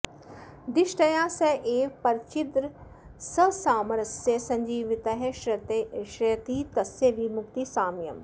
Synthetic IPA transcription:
d̪ɪʃʈɐjãːseʔeːpɐɾt͡ʃit̪ɾ | sɐsaːmɐɾɐsjesɐ̃ɲd͡ʒiːʋit̪ɐɦeʃɾɐt̪eʃɾɐjt̪iːt̪ɐsjeʋimʊkt̪isaːmjɐ̰m

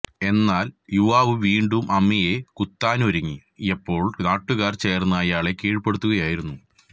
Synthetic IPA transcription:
e̞nːaːljuʋaːʋɨʋiːɳɖumʔɐmːije̞kut̪ːaːnoɾuŋːi | epːo̞ːɭnaːʈːuɣaːrt͡ɕe̞ːrnːɐɐjaːɭe̞kiːɻpe̞ɽut̪ːuɣɐjaːjiɾunːu

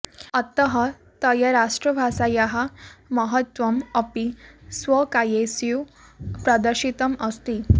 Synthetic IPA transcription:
ət̪əɦə | t̪əjəɾaʂʈɾəbʱasajaɦaməɦət̪ʋəməpisʋəkajesju | pɾad̪əɾɕit̪əməst̪i

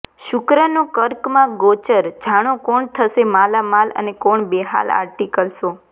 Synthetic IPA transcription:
ʃʊkɾənokəɾkmãɡot͡ʃəɾd͡ʒʱaɽ̃okoɳt̪ʰəʃemalamalə̰nekoɳbeɦa̰la̰ɾʈikəlʃo

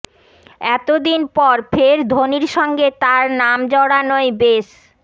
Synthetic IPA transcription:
ɛt̪od̪inpɔɾfʰeɾd̪ʱoniɾʃɔŋɡet̪aɾnamd͡ʑɔɽanoebeʃ

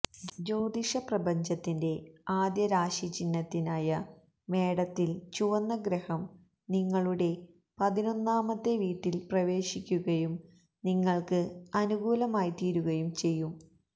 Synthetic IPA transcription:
d͡ʑo̞ːd̪iʂɐprɐbɐɲd͡ʑɐt̪ːinde̞aːd̪jɐɾaːʂit͡ɕinːɐt̪ːinaːjɐ | me̞ːɽɐt̪ːilt͡ɕuʋɐnːɐɡɾɐhɐm | niŋːɐɭuɽe̞ | pɐðino̞nːaːmɐt̪ːe̞ʋiːʈːilprɐʋe̞ːʂikʲːuɣɐjum | niŋːɐɭkɨɐnuɡuːlɐmaːjit̪iːɾuɣɐjumt͡ɕe̞jːum

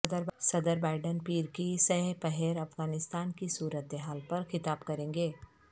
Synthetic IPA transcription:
d̪əɾsɐd̪əɾbaːɪɖənpiːɾkisɐɦpɛɦɛːɾɐfɡaːnɪst̪aːnkisuːɾət̪eɦaːlpɐɾxɪt̪aːbkɐɾẽːŋɡeː

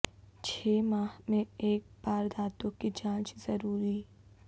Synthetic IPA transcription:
t͡ʃʰeːmaːhmẽeːk̚baːɾd̪aːt̪õkid͡ʒãːt͡ʃzɐɾuːɾi

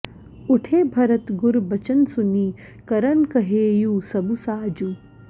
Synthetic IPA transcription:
uʈʰeːbʱɐɾɐt̪ɡʊɾbɐt͡ʃɐnsuniː | kɐɾɐnkɐɦeːjuːsɐbusaːd͡ʒu

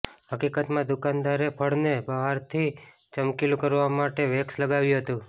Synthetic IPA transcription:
həkikət̪mãd̪ukand̪aɾepʰəɽnebəɦaɾt̪ʰi | t͡ʃəmkilukəɾʋamaʈeʋeksləɡaʋjũɦət̪ũ

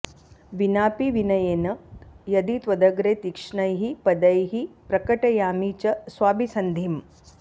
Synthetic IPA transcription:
ʋinaːpiʋinɐjeːnɐjɐd̪it̪ʋɐd̪ɐɡɾeːt̪ikʂɳɐjɦipɐd̪ɐjɦipɾɐkɐʈɐjaːmiːt͡ʃɐsʋaːbʱisɐnd̪ʱim

